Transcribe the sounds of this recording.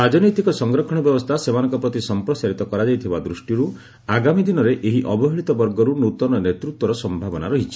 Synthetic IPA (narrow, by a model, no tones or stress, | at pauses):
ɾad͡ʒɔnɔjt̪ikɔsɔŋɡɾɔkʰɔɽ̃ɔbjɔbɔst̪ʰasemanɔŋkɔpɾɔt̪isɔmpɾɔsaɾit̪ɔkɔɾad͡ʒajt̪ʰibad̪ɾusʈiɾu | aɡamid̪inɔɾeʔeɦiʔɔbɔɦiɭit̪ɔbɔɾɡɔɾunut̪ɔnɔnet̪ɾut̪wɔɾɔsɔmbʱabɔna̰ɾɔɦit͡ʃʰi̥